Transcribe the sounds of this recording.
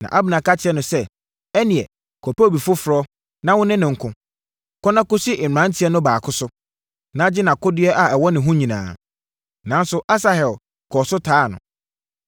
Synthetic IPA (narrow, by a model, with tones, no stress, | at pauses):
nã̰˨ʔa˦bɪ˨nã˨ka˦t͡ɕʰɪ˦ɛ˦nʊ̃˨sɛ˦ | ɛ˦nĩ˨ɛ˨ | kʰo˨pe˦o˨bi˨fʊ˦fʊ˨ɾɔ˦ | nã˦wʊ̃˦nɪ̃˦nɪ̃˨ŋ̩˨˦kʰʊ̃˦ | kʰɔ˦nã˦kʊ˦si˦ʔɪ˨ã˨˦n̩˦tʰi˨˦ɛ˦nʊ̃˦baː˨kʰʊ˦sʊ˦ | nã˦d͡ʑɪ˦nã˨kʰʊ˦dɪ˦ɛ˦ʔa˨ɛ˨wɔ˦nɪ̃˨ɦʊ̃˦ɲĩ˨nã̰ː˨ | nã˨n˦sʊ˦ʔa˦s̬a˨hɛ˨l | kʰɔ˨sʊ˦tʰaː˦˨nʊ̃˨